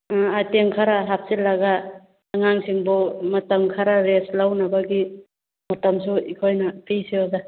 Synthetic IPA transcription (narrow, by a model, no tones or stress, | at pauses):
ateŋkʰaɾaɦap̚silaɡaː | ŋaŋsiŋbɔmɐtamkʰaɾaɾeslawnabaɡi | mɐtamsuikʰojnɐpʰijsiɔɡa